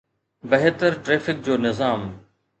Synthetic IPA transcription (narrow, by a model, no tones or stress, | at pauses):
bəɦet̪əɾʈɾeːfɪk̚d͡ʑoːnɪzaːm